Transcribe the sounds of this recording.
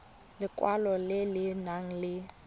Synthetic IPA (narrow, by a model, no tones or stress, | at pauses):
lɪkʼwalɔlɪlɪnaŋ̩lɪ